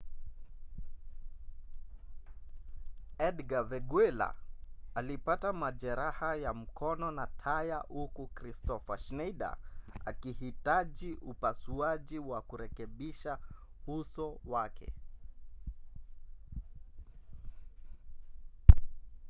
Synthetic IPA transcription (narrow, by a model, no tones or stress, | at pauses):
ɛdɡavɛɡwɛla̰alipatamaʄɛɾahajam̩kɔnɔnatʰajahukukɾistɔfaʃnɛjɗa̰a̰kihitaʄiʔupasuaʄiwakuɾɛkɛɓiʃahusɔwakʰɛ̰